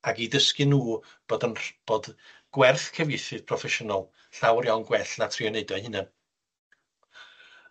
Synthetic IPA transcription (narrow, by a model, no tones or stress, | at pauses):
aɡidəskɨnuː | b̥oːdənb̥oːd | ɡ̥wɛrθkʰəvjɪjθɨð̥pʰrɔfɛʃʊnɔlˠ | ɬawrjawnɡwɛɬnatʰriɔneɨdɔhɪnən